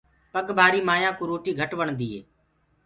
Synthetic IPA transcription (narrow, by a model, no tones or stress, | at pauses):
pəɠbʱaːɾiːmaːjãːkuːɾoːʈiːɡʱəʈʋəɳd̪iːɦeː